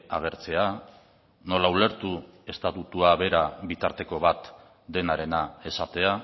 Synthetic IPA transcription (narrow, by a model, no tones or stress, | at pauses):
aɣ̞e̞ɾt͡se̞a | no̞laule̞ɾt̪ue̞st̪at̪ut̪uaβe̞ɾaβit̪aɾt̪e̞ko̞βat̪ | d̪e̞naɾe̞nae̞sat̪e̞a